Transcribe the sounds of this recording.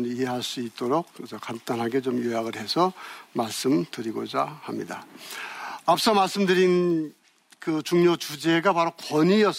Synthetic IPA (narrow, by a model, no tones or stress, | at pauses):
niɦe̞ɦaɭs͈uit̚t͈oɾok̚kɯisʰʌkant͈anɦaɡe̞t͡ɕomjojaɡɯɭɦe̞sʰʌmaɭs͈ɯmtɯɾiɡo̰d͡ʑahamɲḭda̰ | ap̚s͈ʌmaɭs͈ɯmdɯɾin | kɯt͡ɕuŋɲot͡ɕud͡ʑe̞ɡapaɾokʌɲijʌ